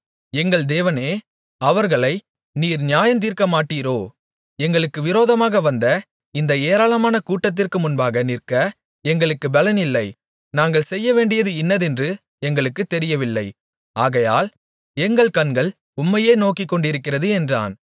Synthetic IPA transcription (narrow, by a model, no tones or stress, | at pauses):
ɛŋɡɐɭd̪eːʋɐneː | ɐʋɐɾɣɐɭɐɪ | niːɾnɪjaːjɐnt̪̬iːɾkɐmaːʈːiːɾoː | ɛŋɡɐɭɯkːɯʋɪɾoːðɐmaːɣɐʋɐnd̪ɐ | ɪnd̪ɐeːɾaːlɐmaːnɐkuːʈːɐt̪̬ːɪrkɯmʊnbaːɣɐnɪrkɐ | ɛŋɡɐɭɯkːɯbɛlɐnɪlːɐɪ | naːŋɡɐɭsɛjːɐʋeːɳɖɪjɐðɯɪnːɐðɛndrɯ | ɛŋɡɐɭɯkːɯt̪ːɛɾɪjɐʋɪlːɐɪ | aːɣɐja̰ːl | ɛŋɡɐɭkɐnɡɐɭ | ʊmːɐjeːnoːkɪkːɔɳɖɪɾɯkːɪrɐðɯɛndra̰ːn